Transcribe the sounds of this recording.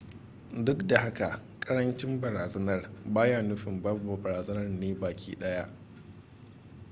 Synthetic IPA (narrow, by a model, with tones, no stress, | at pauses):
dʊ˦kda˨ɦa˦ka˨ʔkʼɐ˦ɾɐ˦nt͡ʃɪ˦mbɐ˨ɾaː˨zɐ˦nɐ˦rbaː˦jaː˦˨nʊ˦ɸɪ˨mbɐ˦rbo˨bɐ˨ɾaː˨zɐ˦nɐ˦rneː˦baː˨kʲḭː˦ɗɐ˦ja˦ʔ